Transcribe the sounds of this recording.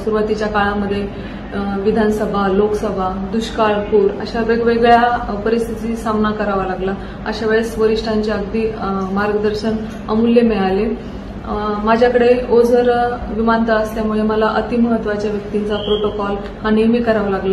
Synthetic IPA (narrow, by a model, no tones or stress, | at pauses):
suɾuʋat̪it͡ɕjakaɭaməd̪ʱːje | ʋid̪ʱansəbʱaloksəbʱad̪uɕkaɭpuːɾə̰ɕaʋeɡʋeɡɭjapəɾist̪ʰit̪iːsamnakəɾaʋalaɡla | ə̰ɕaʋəɭesʋəɾiʂʈʰaɲt͡ɕeəɡd̪iːmaɾɡəd̪əɾɕən | ə̰mulːemeɭale | mad͡ʑʱjakəɽeod͡zʱəɾʋimant̪əəst̪jamuɭeməlaʔət̪iməɦət̪ːʋat͡ɕjaʋjək̚t̪int͡sapɾoʈokɔl | hanijmikəɾaʋalaɡla